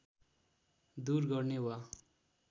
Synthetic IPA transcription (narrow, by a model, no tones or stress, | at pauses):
d̪urɡʌrnewa